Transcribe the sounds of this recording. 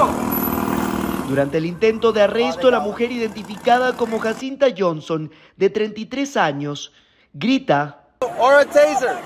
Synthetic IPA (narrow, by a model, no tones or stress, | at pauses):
d̪uɾant̪eːlint̪e̞nt̪o̞ðeare̞st̪olamuxe̞ɾiðe̞nt̪ifikaðako̞mo̞xasint̪aʝo̞nso̞n | d̪e̞t̪ɾent̪it̪ɾe̞saɲo̞s | ɡɾit̪a | ɔɹətʰeɪzə˞